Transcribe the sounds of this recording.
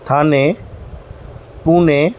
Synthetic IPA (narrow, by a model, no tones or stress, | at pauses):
t̪ʰaːnẽ | pũːnẽː